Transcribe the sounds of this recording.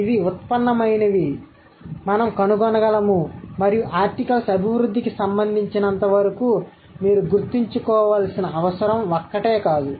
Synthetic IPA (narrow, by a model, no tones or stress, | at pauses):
iʋiut̪̚pɐnːɐmɐjnɐʋi | mɐnɐmkɐnuɡɔnɐɡɐlɐmumɐɾijuʔaːɾʈikɐlsɐbʱiʋɾud̪ːikisɐmbɐnd̪ʱiɲt͡ʃinɐnt̪ɐʋɐɾɐku | miːɾuɡuɾt̪iɲt͡ʃukɔːʋaːlsinɐɐʋɐsɐɾɐmɔkːɐʈeːkaːd̪u